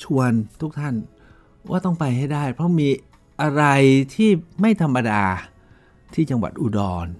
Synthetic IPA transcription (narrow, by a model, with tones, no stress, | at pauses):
t͡ɕʰu˧ənt̪ʰu˦˥k̚t̪ʰa˥˩n | wa̰ː˥˩t̪ɔ˥˩ŋpa˧jɦa˥˩jdaː˥˩jpʰɾɔ˦˥miː˧ | ʔa˧ɾa˧jt̪ʰiː˥˩ma˥˩jt̪ʰa˧mːa˧daː˧ | t̪ʰiː˥˩t͡ɕa˧ŋwa̰˨˩t̪̚ʔuː˧˩dɔː˧n